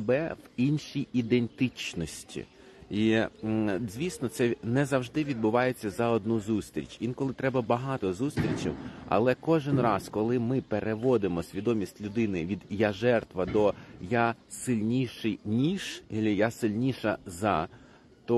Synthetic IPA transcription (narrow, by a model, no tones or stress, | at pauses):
bɛʋinʃijid̪ent̪ɪt͡ʃnɔsʲtʲḭ | i | zʲʋʲisnɔt̪sɛnɛzɐwʒd̪ɪʋʲid̪̚bʊʋɑjet͡sʲːɐzɐɔd̪nuzust̪ɾʲḭt͡ʃʋʲinkɔlˠɪt̪ɾɛbɐbɐɦɑt̪ɔzust̪ɾʲit͡ʃḭwɐ̰lˠɛkɔʒɪnrɑskɔlˠɪmɪpeɾeʋɔd̪emɔsʲʋʲid̪ɔmʲisʲtʲlʲʊd̪ɪnɪʋʲid̪jɐʒɛrt̪ʋɐd̪ɔjasɪlʲnʲiʃɪjnʲiʒ̥ilʲijasɪlʲnʲiʃɐzɐ | t̪ɔ